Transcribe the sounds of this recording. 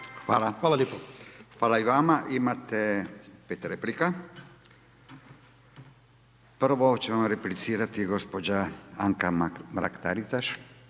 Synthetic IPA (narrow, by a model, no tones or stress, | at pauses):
xʋaːlaxaːlaljepoxʋaːlaiʋamaʔimat̪epet̪ɾeplika | pr̩ʋo̞t͡ɕemamɾeplit̪siːɾat̪iɡo̞spod͡ʑaaŋkamɾa̰kt̪a̰ɾisaʃ